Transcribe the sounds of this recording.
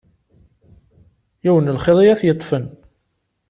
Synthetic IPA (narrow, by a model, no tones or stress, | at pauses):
jiwənəlχeðˤijæθjət̪ˤːfən